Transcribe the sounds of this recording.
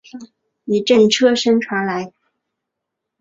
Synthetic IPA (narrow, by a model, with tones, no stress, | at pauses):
i˨˩ʈ͡ʂə˥˩nʈ͡ʂʰɤ˥ʂə˥nʈ͡ʂʰwa˧˥nla˧˥ɪ